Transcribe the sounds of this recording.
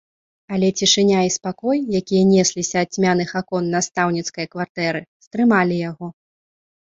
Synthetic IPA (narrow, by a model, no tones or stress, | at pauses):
ɐlʲɛt͡sʲiʂɨnʲaispakɔjjakʲijɐnʲɛsʲlʲisʲɐːt͡sʲmʲanɨxakɔnːast̪awnʲit̪skɐjɐkvart̪ɛɾɨst̪ɾɨmalʲijaɣɔ